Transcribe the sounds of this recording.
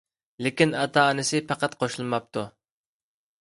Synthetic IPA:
lɪkʲinɑt̪ʰɑːnɨsɪpʰɑqɑt̪qʰoʃlˠɨmɑp̚t̪ʰu

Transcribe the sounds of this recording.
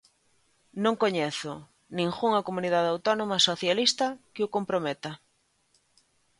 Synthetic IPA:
nõŋkoɲɛθʊ | nĩŋxuŋɐkomuniðaðawt̪ɔnomasoθjalist̪ɐkɪʊkompɾomɛt̪ɐ

